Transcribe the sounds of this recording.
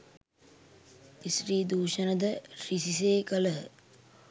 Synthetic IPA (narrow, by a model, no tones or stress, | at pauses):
isɾiːd̪uːʃənəd̪əɾisis̬eːkələ